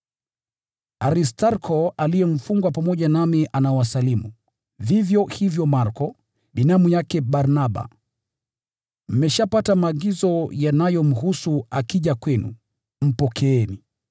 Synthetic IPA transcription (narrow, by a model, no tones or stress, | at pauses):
aɾistaɾkʰɔalijɛm̩fuŋɡwapamɔʄanamiʔanaɔwasalimu | vivjɔhivjɔmaɾkɔ | ɓinamujakɛɓaɾnaɓa̰ | m̩mɛʃapatamaːɠizɔjanajɔm̩husuakiʄakwɛnṵ | m̩pɔkʰɛɛni